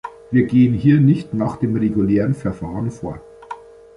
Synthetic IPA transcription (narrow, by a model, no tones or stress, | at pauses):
viːɐɡeːənɦiːɐnɪçtnaːχd̥eːmʁeɡuleːʁənfɛɐfaːʁənfoːɐ